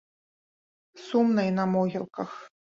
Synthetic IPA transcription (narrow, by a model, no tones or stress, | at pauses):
sumnɐjnɐmɔɣʲilˠkɐx